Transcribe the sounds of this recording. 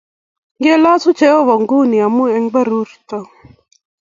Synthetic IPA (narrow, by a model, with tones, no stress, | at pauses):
ɡe˦laː˦su˦t͡ʃeo˦ʋɐ˨ŋɡuː˦niɐ˨mueŋbɐ˦ɾuɾt̪ɐ